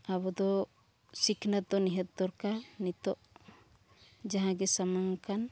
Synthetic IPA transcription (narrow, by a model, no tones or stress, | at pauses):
abɔd̪ɔ | sikʰnad̪ɔniɦɛt̪̚d̪ɔɾkanit̪ɔʔ | d͡ʒaɦãɡɛsamaŋkan